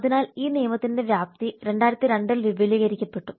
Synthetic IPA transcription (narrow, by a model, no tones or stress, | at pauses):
ɐðinaːliːnijɐmɐt̪ːinde̞ʋjaːp̚t̪iɾe̞ɳɖaːjɾɐt̪ːɨɾeɳɖilʋiʋɐliːɣɐɾikʲːɐpːe̞ʈːu